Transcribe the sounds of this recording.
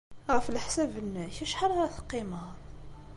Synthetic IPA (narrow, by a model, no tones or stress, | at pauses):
ʁɣəflħsæbənːæçæʃħɑɾˤæθqim